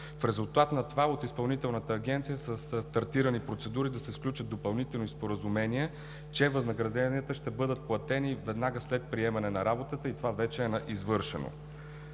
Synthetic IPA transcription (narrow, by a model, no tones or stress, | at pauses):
fɾɛzulˠt̪at̪nɐt̪ovaot̪ispɐlˠnit̪ɛlˠnət̪əːɡ̟ɛnt̪sijəsəsst̪ɐɾt̪iɾənipɾot̪sɛd̪uɾid̪ɐsɛsklʲut͡ʃət̪d̪opɐlˠnit̪ɛlˠnispoɾəzumɛniɛ | t͡ʃɛvəznəɡɾɐd̪ɛniət̪əʃt̪ɛbɤd̪ət̪̚plˠɐt̪ɛnivɛd̪naɡəslɛt̪̚pɾiɛmɐnɛnɐɾabot̪ət̪əit̪ovavɛt͡ʃɛːnɐʔizvɤɾʃɛ̰no̰